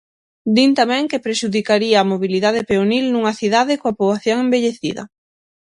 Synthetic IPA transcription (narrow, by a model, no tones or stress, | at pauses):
d̪int̪amɛ̃ŋkepɾeʃuðikaɾiɐːmoβiliðað̞ɪpeonilnuŋɐθiðaðɪkoɐpoβaθjoŋembeʎeθiðɐ̰